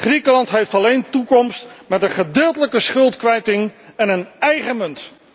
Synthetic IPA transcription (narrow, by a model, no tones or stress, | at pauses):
χrikəlɑntɦejftɑlejntukɔmstmɛtənχədɪːlˠtələkəsχɵlˠtkʋɛjtɪŋɛnənɛjχəmɵnt